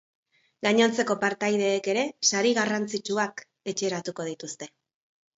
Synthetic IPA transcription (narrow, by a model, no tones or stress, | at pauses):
ɡaɲo̞nt͡se̞ko̞paɾt̪ajð̞e̞ːke̞ɾe̞saɾiɣarant͡sit͡ʃuak | e̞t͡ʃe̞ːɾat̪uko̞ð̞it̪ust̪e̞